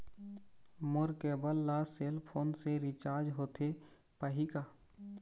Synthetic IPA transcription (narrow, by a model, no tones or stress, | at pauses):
mʊɾkeːbəlːaselpʰoːnseɾɪt͡ʃaːɾd͡ʒɦoːt̪ʰe | pəɦika